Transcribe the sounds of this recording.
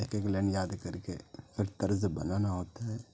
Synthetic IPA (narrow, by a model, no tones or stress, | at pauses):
eːkeːklɛ̃ːɳɖjaːd̪kɐɾkefʰɪɾt̪ɐɾzbɐ̰nanaɦoːt̪aɦɛː